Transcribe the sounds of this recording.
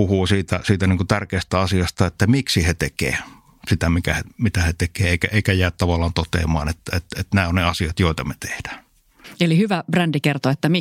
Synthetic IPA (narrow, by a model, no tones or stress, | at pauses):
uhuːsiːt̪æsiːt̪æniːŋkut̪ærkeːst̪æɑsiɑst̪ɑet̪ːæmiksihet̪ekḛː | sit̪æmikæhemit̪æhet̪ekeːeˑikæʔeˑikæjæːtt̪ɑʋɑlːˑɑːnt̪ot̪ḛːmɑ̰ːnet̪ːæet̪et̪næˑːonneɑsiɑt̪joˑet̪ɑmet̪e̥hd̥æː | elihyʋæb̥rændikert̪oet̪ːæmi